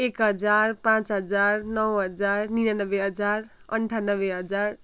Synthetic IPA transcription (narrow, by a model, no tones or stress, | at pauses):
ekɦʌd͡zarpãt͡sɦʌd͡zarnʌwɦʌd͡zarninanʌbeɦʌd͡zar | ʌ̰ɳʈʰanʌbeɦʌd͡zar